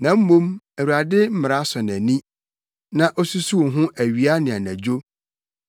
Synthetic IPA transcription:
nã˨m̩˦mõ˦m | æ˨wu˨ɾa˨dɪ˦m̩˦mɪ˨ɾa˦sɔ˨næ˨nĩ˦ | nã˨ʔo˦su˦su˦wɦʊ̃˦ʔæ˨ɥi˨a˦nɪ̃˨a˨næ̃˨d͡ʑo˦

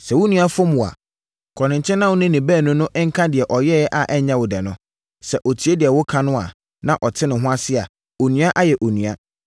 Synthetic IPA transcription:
sɛ˨wʊ˦nũ˨˦a˦fɔ̃˦mũ˨a̰˨ | kʰɔ˨nɪ̃˨ɲ˨t͡ɕʰɛ̃˦nã˦wʊ˦nɪ̃˦nɪ̃˨bæː˦˨nʊ̃˦nʊ̃˦ʔŋ̩˦kʰã˦dɪ˨ɛ˨ʔɔ˨jɛ˦ʔa˨ʔɛ˦ɲã˦wʊ˨dɛ˨nʊ̃˦ | sɛ˨ʔo˨tʰi˨˦e˦dɪ˨ɛ˨wʊ˦kʰã˦nʊ̃˦a̰˨ | nã˨ʔɔ˨tʰɪ˦nɪ̃˨ɦʊ̃˦a˦sɪ˦a˨ | o˨nũ˨˦a˦ʔa˦jɛ˨ʔo˨nũ˨a˦

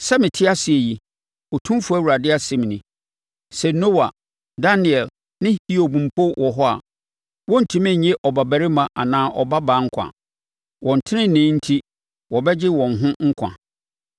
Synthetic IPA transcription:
sɛ˦mɪ̃˨tʰɪ˦a˦si˨e˨ji˨ | ɔ˨tʰũ˦m˦fu˦æ˦˨wu˨ɾa˨dɪ˦a˦sɪ̃˨m˨nɪ̃˨ | sɛ˨no˦wa̰˨ | da˦nɪ˨ɛ˨l | nɪ̃˦hi˦o˨bũ˨m̩˨pʰo˦wʔɔ˨ɦɔ˦a̰˨ | wɔ̃˦n̩˨tʰũ˦mɪ̃˦˨ɲɛ˦ʔɔ˨ba˨bæ˨ɾɪ˦mã˨ʔa˨nãː˨˦ʔɔ˨ba˦baː˨˦ŋ̩˦kʷʰã̰˨ | wɔ̃˨n̩˨tʰɪ˦nɪ̃˦nɪ̃˦n̩˦tʰi˦ | wɔ˨bɛ˦d͡ʑɪ˦wɔ̃˨nɦʊ̃˦ŋ̩˦kʷʰã̰˨

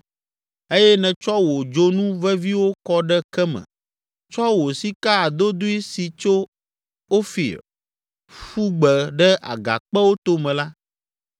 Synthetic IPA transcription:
e˦jɛ˦nɛ̃˨t͡ʃɔ˦wo˨d͡ʒo˦nũ˦vɛ˦vi˦wo˦kɔ˦ɖɛ˦kɛ˦mɛ̰̃˨ | t͡ʃɔ˦wo˨si˦ka˦a˨d̪o˦d̪u˦i˦si˨t͡ʃo˦ | o˦fḭ˨ | fu˦ɡ͡bɛ˨ɖɛ˦ʔa̰˨ɡa̰˨k͡pɛ˦wo˦t̪o˦mɛ̃˨la˦

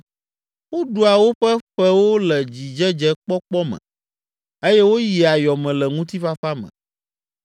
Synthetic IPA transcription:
wo˦ɖu˨a˨wo˦ɸɛ˦ɸɛ˦wo˦lɛ˨d͡ʑi˨d͡ʒɛ˦d͡ʒɛ˦k͡pɔ˦k͡pɔ˦mɛ̰̃˨ | e˦jɛ˦wo˦ji˨a˨jɔ˨mɛ̃˨lɛ˨ŋũ˦t̪i˦ɸa˦fa˦mɛ̰̃˨

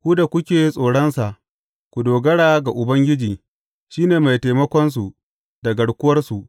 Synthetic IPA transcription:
kʷuː˦da˨kʷʊ˦kʲeː˨˦sʼoː˨ɽɐ˦nsa˨ʔ | kʷu˨doː˨ɡɐ˦ɽaː˨ɡa˨ʔʊ˨bɐ˦ŋɡʲɪ˦d͡ʒiː˨ | ʃiː˦neː˨ma˨jtaː˨mɐ˦kʷɔ˦ns̬u˨ | da˨ɡɐ˨ɽkʷʊ˦wɐ˦rsu˨ʔ

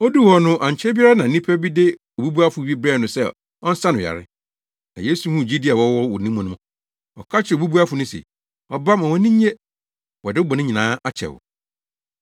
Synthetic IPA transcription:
o˦du˦wɔ˨nʊ̃˦ʔã˨ɲ˨t͡ɕʰɛ˦bi˦a˦nã˨˦nĩ˦pʰɛ˦bi˦dɪ˦ | o˨bu˦bu˦a˦fʊ˨˦bi˦bɾɛ˦˨nʊ̃˨sɛ˦ | ɔ˦n̩˦sã˦nʊ̃˨a̰˨ɾɪ̰˦ | nã˨jeː˦su˨hũ˦˨d͡ʑi˦di˦a˨wɔ˦wɔ˦wɔ˨nĩ˦mʊ̃˨nʊ̃˦ma˨ | ɔ̰˨kʰa˦t͡ɕʰɪ˨o˨bu˦bu˦a˦fʊ˨nʊ̃˦sɛ̰˨ | ɔ˨ba˦mã˨wɔ˨nĩ˦ɲ˦e˦ | wɔ˨dɪ˦bɔ˨nɪ̃˦ɲĩ˨nãː˦a˦t͡ɕʰɛ̰˨wʊ̰˨

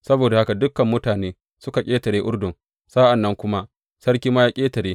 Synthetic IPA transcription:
sɐ˦boː˨da˨ha˦ka˨dʊ˦kːɐ˨mːʊ˦taː˨neː˦ | sʊ˦ka˨kʲʼeː˦tɐ˨ɽeː˦ʔʊ˦ɽdʊ˨ŋ | saː˦ʔa˨nːɐ˦ŋkʷʊ˦ma˦ | sɐ˦ɽkʲiː˦ma˦jaː˦kʲʼeː˦tɐ˨ɽeː˦

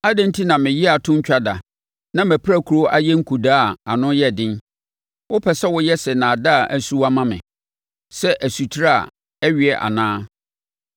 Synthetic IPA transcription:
a˦dɪ̃˦n̩˦tʰi˦nã˨mɪ̃˨ji˦a˨tʰʊ̃˦ɲ̩˦t͡ɕᶣa˦da˨ | nã˦mæ˨pʰɾæ˦˨kʰu˨ɾo˦ʔa˦jɛ̃˦ŋ̩˦kʰu˨daː˦˨a˨nʊ̃˦jɛ˦˨dɪ̃˦n | wʊ˦pʰɛ˨sɛ˦wʊ˦jɛ˦sɛ˨nã˨da˦a˨ʔæ˨su˦wa˦mã˦mɪ̰̃˨ | sɛ˦ʔæ˨su˨tʰi˦ɾa˦a̰˨ | ɛ˦ɥi˨ɛ˨ʔa̰˨nãː˦

